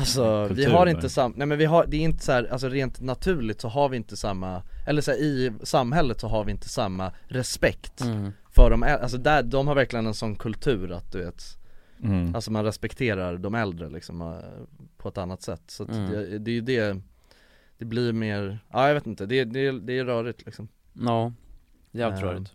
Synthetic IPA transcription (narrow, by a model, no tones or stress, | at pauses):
alsɔvɪhaɾɪnt̪əsamnɛmɛnvɪɦad̪ɛːɾɪnt̪ə̥shæːɾals̬ɔɾeːnt̪nat̪ʰʉ̟ːɭɪt̪sɔɦaɾvɪɪnt̪əsamːaʔɛlːəʂæːɾɪsamɦɛlːət̪sɔɦaɾvɪɪnt̪ʰə̥samːaɾɛspɛkt̪ | fœɖɔmɛʔals̬ɔd̪æd̪ɔmhaɾvæɾklɪɡənɛnsɔnːkʰɵlt̪ʰʉ̟ːɾa̰t̪̚d̪ɵveːt̪ | alsɔmanɾɛspɛkt̪ʰeːɾaɾd̪ɔmɛld̪ɾə̰lɪ̰ksɔm̰pʰɔɛt̪anːat̪sɛ̰t̪ːsat̪jd̪ɛːjɵd̪ɛ | d̪̥ɛbliɾmeːɾʔaːjaveːt̪ɪnt̪əd̪ɛd̪ɛːd̪ɛːɾœːɾɪt̪ʰlɪksɔmː | ɛɾœ̰ːɾɪ